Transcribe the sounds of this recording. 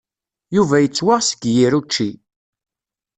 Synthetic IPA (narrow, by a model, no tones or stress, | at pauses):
juvæjət͡sːwaʁsə̥ɡjiɾut͡ʃːi